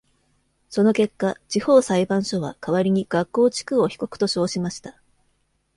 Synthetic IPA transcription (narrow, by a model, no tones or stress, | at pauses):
so̞no̞ke̞kːat͡ɕiho̞ːsaibãɰ̃ɕo̞βa̰kaβaɾʲiɲ̟iɡ̥akːo̞ːt͡ɕi̥kɯ̟o̞çi̥ko̞kɯ̟̥t̪o̞ɕo̞ːɕimaɕi̥t̪ḁ